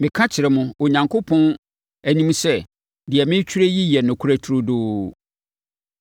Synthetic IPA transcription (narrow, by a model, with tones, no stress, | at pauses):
mɪ̃˨kʰã˦t͡ɕʰɪ˨ɾɛ˨mʊ̃˨o˨ɲã˨ŋkʰo˦pʰɔ̃˦n | æ˨nĩ˦m˦sɛ˦ | dɪ˨ɛ˨mɪ̃˦t͡ɕʰᶣu˦ɾe˦ji˦jɛ˨nʊ̃˨kʰu˨ɾæ˦tʰu˨ɾʊ˦doː˦